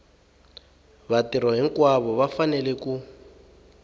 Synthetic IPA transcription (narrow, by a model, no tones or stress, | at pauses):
βatiɾɔɦiŋkwaβɔβafanɛlɛku